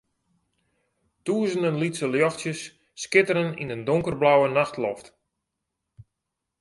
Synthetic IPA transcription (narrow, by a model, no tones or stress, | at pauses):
tuəzəndənlitsəljɔxtjəsː | kɪtəɾənḭndəndʊŋkərblawənaxtlɔft